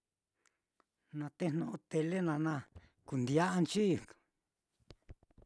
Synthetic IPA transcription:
nã˧t̪e˦n̥nõ˧ʔõ˧t̪e˧le˦nã˧nã˧ | ku˨nd̪ja˦ʔa˧nt͡ʃi˦˨

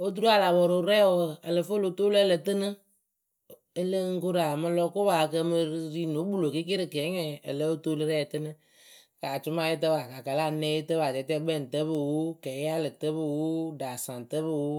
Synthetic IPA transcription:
o˦t̬u˦ɾu˦a˨la˨bɔ˨ɾo˨˦ɾɛ˦ɔ˨ə˨lɨ˨fo˦lo˨toː˦lɛ˦lə˨tɨ˦nɨ˦ | ə˦lə˦ŋ̩˦ko˦ɾa˨mɨ˧lɔ˧kʊ˦ba˨˧kə˧mɨ˧˦ɾi˦˨no˨˦bu˦˨lo˨ki˦ke˦ɾɨ˨kɛː˨˦ɲɛ˨ə˨lə˦o˦to˦lɨ˦ɾɛ˦˨tɨ˦nɨ˦ | kaː˨t͡ʃʊ˦ma˧jɪ˦t̬ə˧ba˨ka˨ka˨la˦˨nɛ˨˦jɪ˦tə˦ba˨tɛ˨˦tɛ˦bɛ˦˨n˨tə˦bɨ˦˨wo˦kɛ˨˦ja˦lɨ˨tə˦bɨ˧wo˦daː˨sã˨n˨tə˦bɨ˦˧wo˦

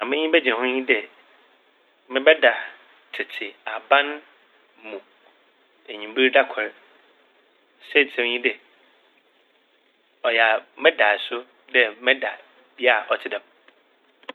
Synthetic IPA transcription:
ã˨mɪ̃˦ɲĩ˦bɛ˦d͡ʑɛ̃˨hʊ̃˦ɲĩ˦dɛ˨ | mɪ̃˦bɛ˦da˨ | tʰɪ˨tʰɪ˨a˨bã˦n | mũ˨ | æ˨ɲĩ˨bi˦ɾda˦kʰɛ˨ɾ | sɛ˦˨tʰɛ̃˦m˦ɲĩ˦dɛ˨ | ɔ˨ja˨mɪ̃˦da˨sʊ˦ | dɛ˦mɪ̃˦da˨ | b̥i˦a˦˨ʔɔ˨tʰɪ˦dã˨m

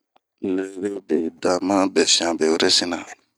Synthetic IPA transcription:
le˦ɾe˦be˨da˨mã˦bɛ˨fĩ˦˨ã˨bɛ˨wo˦ɾɛ˦se˦na˨

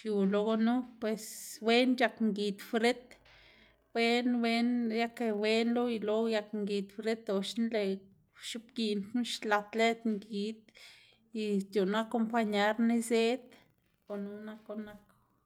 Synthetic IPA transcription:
ʃju˨lo˧ɡo˧nu˦pwe˨swe˦nja˧kŋɡi˨t̪fɾe˦t̪ | bwe˦nwe˦nja˦ke˧we˦nlo˦i˧lo˦ja˧kŋɡi˨t̪fɾe˦t̪o˨ʃnle˧ | ʃu˦p̚ɡi˧nnu˦ʃla˧t̪le˦t̪ŋɡi˨t̪̚ | i˧st̪ju˨na˦ko˧mpa˧ɲa˦ɾne˧ze˦t̪ | o˨nu˦na˧ko˧na˧k

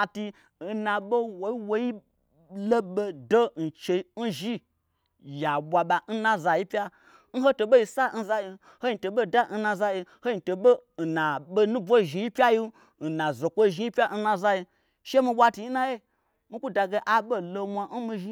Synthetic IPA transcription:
ti˧˨ | na˨ɓo˦wo˨i˦wo˦ji˦ | lo˦ɓe˧do˦n̩˨t͡ʃe˧i˦n̩˦ʒi˦ | ja˨bʷa˨ɓa˨n̩˦na˦za˨ji˦pʲa˦ | n̩˦ɦo˦to˧ɓo˦ji˧sa˦n̩˦za˧ji˧ | ho˦ji˧to˨ɓo˦˨da˦n̩˦na˧za˧ji˧ho˦ji˧to˨ɓo˦n̩˨na˨ɓo˦nu˦bo˦˨ʒi˨˧ji˦pʲa˦ji˦ | n̩˨na˨zo˨kʷo˦˨ʒi˧˦i˦pʲa˦n̩˦na˧za˧ji˧ | ʃe˦mi˧ɓʷwʷa˧ti˧i˦na˦je˦ | mi˦ku˦da˨ɡe˧ʔa˨ɓo˦lo˧mʷa˧n̩˦mi˧ʒi˧˦

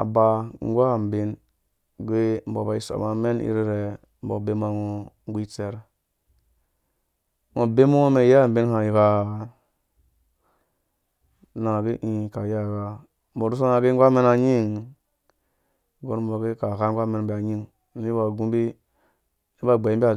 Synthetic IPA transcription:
a̰˨ba˨ŋ˦ɡʷa˦˨m˨bi˦n | ɡʷe˦m̩˨bo˨ba˨i˨so̰˨ma˨˦me˦nḭ˦ɾi˦ɾe˨ | m̩˦bo˨be˦ma˨ŋo˨ŋ˦ɡi˦t͡se˦ɾ | ŋo˨be˦mo˦me˨ja˦˨m̩˨bi˦n˦ha˨ji˨ɡa˦˨ | na˨ɡi˦ʔĩ˦˨ka˨ja˦˨ɡa˨ | m̩˦bo˨ɾu˦s̬o˦na˨ɡe˦ŋ˦ɡʷa˦me˦na˨ɲi˦˨ŋ | ɡo˦nm˦bo˨ɡe˦ka˨ka˦ŋ˦ɡʷa˦me˨n˦bi˨a˨ɲi˦ŋ | n̩˦i˦ba˨ɡu˦m˦bi˦ | e˦ba˦˨ɡ͡be˨˦m˦ba˨

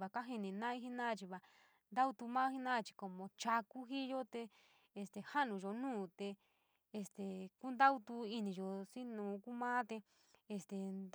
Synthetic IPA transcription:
βa˧ka˦ɦi˧nĩ˧nã˦i˧˦ɦi˧nãː˦˧t͡ʃi˧βa˧ | nd̪a˦u˧t̪u˧mãː˦hi˦nã˦˧t͡ʃi̥˧ko˧mõ˧t͡ʃa˧ku˦ɦi˦jo˦t̪e˧ | e˧˨st̪e˨ha˦nũ˨ʒo˧nũː˦˨t̪eː˧ | st̪e˨ku˦nd̪a˦u˧t̪u˧i˧nĩ˧˨ʒo˨si˦nũː˨˦ku˦mãː˦t̪e˧ | e˧st̪e˨nd̪

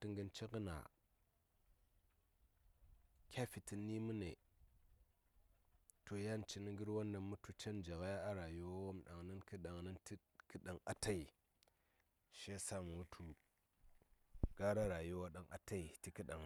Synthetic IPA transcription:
ti˦ŋɡə˨nt͡ʃe˦ɡə˦na̰˨ | kʲa˦fi˨ti˨nːi˦mu˦nḛ˨ | to˨ja˦n˨t͡ʃi˦ni˦ŋɡi˦ɾwa˦nːa˨mu˦tu˦t͡ʃe˦nd͡ʒa˨ɣa˦ja˦a˦ɾa˨ju˦wwa˦mɗa˨ŋni˦nki˦ɗa˨ŋni˦nti˦ | ki˦ɗa˨ŋa˦ta˦i˨ | ʃe˦sa˦m˨u˦tʰu˦ | ɡ̥a˦ɾa˦ɾa˨ju˦wa˦ɗa˨ŋʔa˨ta˦i˨ti˦ki˦ɗa˨ŋ˦

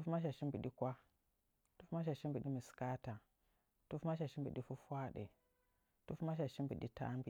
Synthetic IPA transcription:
tu˦fma˦ʃ̬a˨ʃi˦mbi˨ɗi˦kʷa˦ | tu˦fma˦ʃ̬a˨ʃi˦mbi˨ɗi˦mi˨ska˦ta˨ | tu˦fma˦ʃ̬a˨ʃi˦mbi˨ɗi˦fu˦fa˦ɗḛ˨ | tu˦fma˦ʃ̬a˨ʃi˦mbi˨ɗḭ˦ta̰˦mbḭ˨

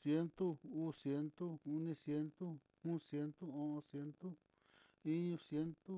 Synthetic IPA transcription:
sje˦nt̪u˦u˦sje˧˦nt̪u˦u˧nĩ˧sje˧˦nt̪u˦ | ũ˦sje˧˦nt̪u˦õ˧ʔõ˧sje˧˦nt̪u˦ | i˦ɲũ˧sje˦nt̪u˦

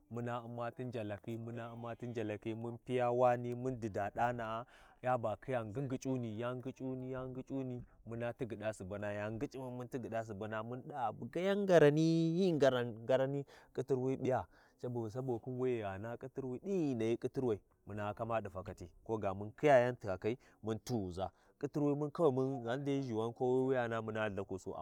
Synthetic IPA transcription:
mu˦na˦u˦mːa˦ti˦nd͡ʒa˨la˨ki˦mu˦na˦u˦mːa˦ti˦nd͡ʒa˨la˨ki˦mu˦npi˦ja˦wa˦ni˦mu˦ndi˨da˨ɗa˦na˨˦ja˦ba˨kʰi˦ja˨ŋɡi˦ŋɡi˨t͡ʃʼu˦ni˨ja˦ŋɡi˦t͡ʃʼu˦ni˦ja˦ŋ˦ɡi˦t͡ʃʼu˦ni˦mu˦na˦ti˦ɡi˨ɗa˦su˨ba˨na˨ja˦ŋɡi˦t͡ʃʼi˦ma˨mu˦nti˦ɡi˨ɗa˦s̬u˨ba˨na˦mu˦nɗa˦˨bu˨ɡa˦ja˦ŋɡa˨ɾa˨ni˦ji˦ŋɡa˨ɾa˨ɡa˨ɾa˦ni˦kʼi˦ti˦ɾwi˦bi˦ja˦ | t͡ʃa˦bu˨wu˨s̬a˦bo˨ku˦nwe˦jja˨na˦kʼi˦ti˦ɾwi˦ɗi˦ji˨na˨ji˦kʼi˦ti˦ɾwa˨i˨ | mu˨na˨ka˦ma˦di˨fa˨ka˨ti˦ko˦ɡa˨mu˦nki˦ja˦ja˦nti˨a˨ka˦i˦ | mu˦ntu˦˨za˨ | kʼi˦ti˦ɾwa˦i˦mu˦nka˦wa˨mu˦na˦n˦da˦ʒi˨wa˦nko˦wwi˦ja˨na˦mu˦na˦˨la˨ku˨so̰˦a̰˨

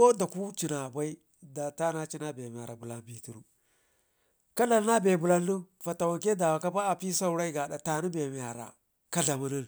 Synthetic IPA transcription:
o˦da˨ku˦t͡ʃi˨na˨ba˦i˦ | da˨ta˦na˦t͡ʃi˦na˦be˨m˨a˨ɾa˨bu˨la˦nbi˦tu˨ɾu˦ | ka˦la˨lna˦be˨bu˨la˦nː˦u˦ | fa˨ta˨wa˨ŋke˦da˨wa˨ka˦pa˦a˨pi˦sa˦u˦ɾa˦i˦ɡa˨da˨ta˨ni˦be˨m˨a˨ɾa̰˨ | ka˦ɮa˨ma˦ni˦n

